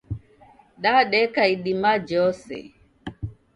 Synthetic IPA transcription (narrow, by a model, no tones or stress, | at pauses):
ɗaɗɛkaiɗimad͡ʒɔsɛ̰